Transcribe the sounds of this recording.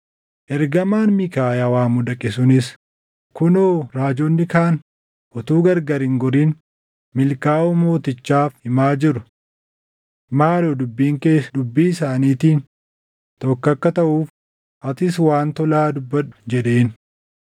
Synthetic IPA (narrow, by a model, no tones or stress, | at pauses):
ʔɛɾɡɐmaːnmikaːjawaːmʊd̪ɐkʼɪsʊnɪs | kʊnoːɾaːd͡ʒonːɪkaːn | ʔɔt̪uːɡɐɾɡɐɾɪŋɡɔɾiːn | mɪlkaːʔʊmo̞ːt̪ɪt͡ʃːaːfhɪmaːd͡ʒɪɾʊ | maːloːd̪ʊbːiːŋke̞ːsd̪ʊbːiːɪsaːniːt̪iːn | t̪ɔkːɐkːɐt̪ɐʔuːf | ʔɐt̪ɪs̬waːnt̪ɔlaːd̪ʊbːɐᶑʊ̥d͡ʒɛᶑe̞ːn